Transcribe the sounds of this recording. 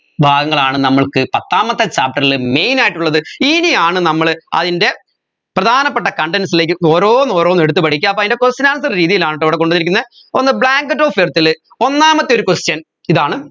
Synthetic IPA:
bʱaːɡɐŋːɐɭaːɳɨnɐmːɐɭkɨpɐt̪ːaːmɐt̪ːɐt͡ɕaːp̚ʈːɐrilɨme̞jnaːjiʈːuɭːɐðɨiniaːɳɨnɐmːɐɭɐ̰ðinde̞ | prɐd̪ʱaːnɐpːeʈːɐkɐɳɖensileːk̬ːɨoːɾoːno̞ːɾo̞ːneɽut̪ːɨpɐʈʰikʲːuɐp̬ːoɐðindekost͡ɕɐnaːlɐs̬ɐrɾiːðijilaːɳiʈːɐʋiɽek̬o̞ɳɖunikʲːunːɐ | onːɨbɭaːŋɡɨʈːoːfert̪ːil | o̞nːaːmɐt̪ːioɾukustjɐn | iðaːɳɨ

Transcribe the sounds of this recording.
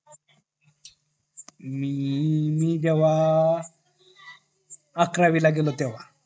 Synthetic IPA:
mimid̪ewa | kɾaʋilaɡelɔt̪ɛwa

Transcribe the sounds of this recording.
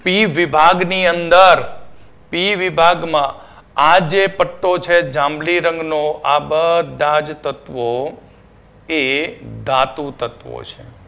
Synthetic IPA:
piʋɪbʱaɡniənd̪əɾ | piʋɪbʱaɡmã | ad͡ʒepəʈːot͡ʃʰed͡ʒãmliɾəŋɡnoʔabəd̪ʱad͡ʒt̪ət̪ʋo | ed̪at̪ũt̪ət̪ʋo̰t͡ʃʰḛ

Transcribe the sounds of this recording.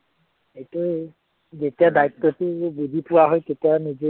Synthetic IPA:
ejtʊ | zetijadait̪ːɔtʊbudʱipʊwaɦɔjtetijanize

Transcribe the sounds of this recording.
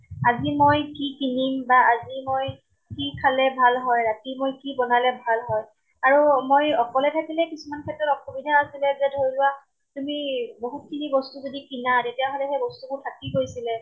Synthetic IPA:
azimojkikinimbaʔazimoj | kikʰalɛbʱalɦɔjɹatimojkibɔnalɛbʱalɦɔj | aɹumojɔkɔlɛtʰakilɛkisumankʰɛtɔtɔkʰobidʱaasilɛzɛdʱoɹjlʊwa | tumiboɦut̚kʰinibɔstuzodikinatetijaɦolɛxejbɔstubʊtʰakikojsilɛ

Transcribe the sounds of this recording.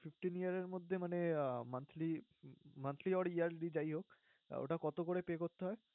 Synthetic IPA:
fʰifʈinijaɾeɾmod̪ʱːemanemant̪ʰlimant̪ʰliɔɽijaɾɖid͡ʑajɦok | o̰ʈakɔt̪okoɽepeːkoɾt̪ːeɦɔe

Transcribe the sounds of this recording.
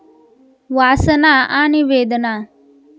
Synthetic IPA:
ʋaːsənaːʔaːniʋeːd̪ənaː

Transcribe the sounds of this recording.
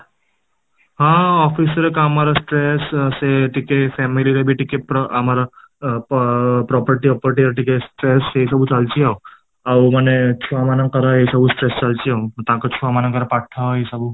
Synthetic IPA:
ɦãɔfisəɾkaamaɾasʈɾesseʈikefʰɛmiliɾebʱiʈikepamaɾa | pɾɔpəɾʈiɔpəɾʈiɾʈikesʈɾeseis̬əbut͡salt͡ʃiaw | awmanet͡ʃʰuamanə̃ŋkəɾaɦesəbʱusʈɾest͡ʃalt͡ʃiawt̪ãkat͡ʃʰuamanaŋkəɾapaʈʈʰaɦesəbu

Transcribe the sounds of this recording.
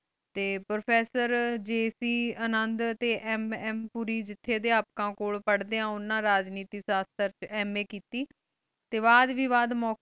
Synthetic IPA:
t̪eːpɾoːpʰɛːsəɾd͡ʒeːsiːənənd̪t̪eːʔɛmɛːmpuːɾiːd͡ʒɪt̪ʰːeːd̪eːaːp̚kãːkoːɭpəɽd̪eːãːʊnːãːɾaːd͡ʒniːt̪iːsaːst̪əɾt͡ʃɛːmẽːkiːt̪iː | t̪eːʋaːd̪ʋiːʋaːd̪mɔː

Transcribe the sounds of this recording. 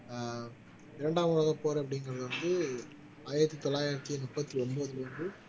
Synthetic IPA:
ɪɾɐɳɖaːmɯɭɐɣɐpoːɾɐɐp̬ːɐɽɪŋɡɐɾɐðɐʋɐnd̪ɯ | aːjɪɾɐt̪ːit̪ɔlːaːjɪɾɐt̪ːinʊpːɐt̪ːiɔmboːðɯlɐʋɐnd̪ɯ

